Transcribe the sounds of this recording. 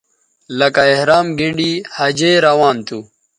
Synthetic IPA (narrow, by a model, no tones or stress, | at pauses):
lɐkaehɾaːmɡiɳɖiːhɐd͡ʑeːɾɐwaːnt̪u